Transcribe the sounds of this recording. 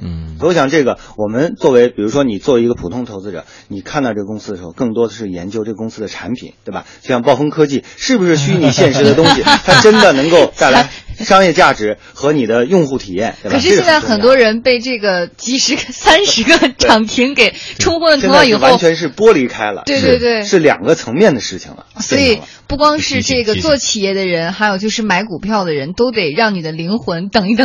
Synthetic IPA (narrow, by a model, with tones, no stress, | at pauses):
ɕjɑ˨˩ŋʈ͡ʂɤ˥˩ɡə˩wɔ˨˩mə˦nt͡swɔ˥˩we˧˥ɪpi˨˩ɻu˧˥ʂwɔ˥ni˨˩t͡swɔ˥˩we˧˥i˧˥ɡə˧pʰu˨˩t̪ʰʊ˥ŋt̪ʰo˧˥ʊt͡sɹ̩˧ʈ͡ʂɤ̰˨˩˦ | ni˨˩kʰa˥˧nt̪ɑ˥˧ʈ͡ʂɤ˥˩ɡə˩kʊ˥ŋsɹ̩˥d̪ə˩ʂɻ̩˧˥o˥˧ʊkɤ˥˩ŋt̪wɔ˥d̪ə˧ʂɻ̩˥˩jɛ̰˧˥nt͡ɕjo˥ʊʈ͡ʂɤ˥˩ɡə˩kʊ˥ŋsɹ̩˥d̪ə˨˩ʈ͡ʂʰa˧˥npʰḭ˨˩˦ntt̪we˥˩ɪbɐ̰˩t͡ɕo˥˧ɕjɑ˥˧ŋpɑ˥˩ʊfɤ˥ŋkʰɤ˥t͡ɕi˥˩ʂɻ̩˥˩bu˩ʂɻ̩˥˩ɕy˥i˧˥ni˨˩ɕjɛ˥˩nʂɻ̩˧˥d̪ə˧t̪ʊ˥ŋɕi˨˩t̪ʰa˥ʈ͡ʂə˥nd̪ə˨nɤ˧˥ŋko˥˧˩ʊt̪a˥˩ɪla˧˥ɪʂɑ˥ŋjɛ˥˧t͡ɕja˥˩ʈ͡ʂɻ̩˧˥ | xɤ˧˥ni˨˩d̪ə˦jʊ˥˧ŋxu˥˩t̪ʰi˨˩jɛ˥˩nt̪kʰɤ˨˩ʂɻ̩˥˧˥ɕjɛ˥˧˥t͡sɪxə˨˩nt̪wɔ˥ɻə˧˥npe˥˧ɪʈ͡ʂɤ˥˩ɡə˩t͡ɕi˧˥ʂɻ̩˧˥ɡə˧sa˥nʂɻ̩˧˥ɡə˧ʈ͡ʂʰɑ˨˩ŋt̪ʰi˧˥ŋke˨˩ɪʈ͡ʂʰʊ˥ŋxwə˥lə˩t̪jɑ˥˩ŋi˨˩˥wa˥˧˥ʊt͡ɕʰɥɛ˧˥nʂ̬ɻ̩˥˩pwɔ˥li˧˥kʰa˥ɪlə̰˨we˥˧˥t̪e˥˧t̪we˥˩ɪʂɻ̩˥˩ljɑ̰˨˩ŋɡə˦t͡sʰɤ˧˥ŋmjɛ˥˩nd̪ə˩ʂɻ̩˥˩t͡ɕʰḭ˩ŋlə̰˩sɔ˧˥i˨˩ | pu˥˩kwɑ˥ŋʂɻ̩˥˧ʈ͡ʂɤ˥˩ɡə˩t͡swɔ˥˩t͡ɕʰi˨˩jɛ˥˩d̪ə˩ɻə˧˥nxa˧˥ɪjo˨˩ʊt͡ɕjo˥˧ʊʂɻ̩˥˩ma˧˥ɪku˨˩pʰjɑ˥˩ʊd̪ə˩ɻə˧˥nt̪o˥ʊt̪e˨˩ɪɻɑ˥˩ŋni˨˩d̪ə˦li˧˥ŋxwə˧˥nt̪ɤ˨˩ŋi˥˩t̪